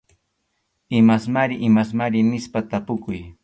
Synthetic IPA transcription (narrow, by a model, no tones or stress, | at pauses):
ɪmasmaɾɪʔɪmasmaɾɪnɪspat̪apʊkʊj